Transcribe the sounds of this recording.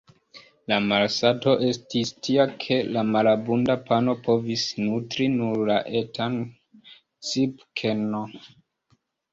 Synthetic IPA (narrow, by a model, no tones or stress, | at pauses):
lamalsato̞ʔe̞stistʰiakʰe̞lamalabundapano̞pʰo̞visnutɾinuɾlaʔe̞tʰan | t͡sipkʰeno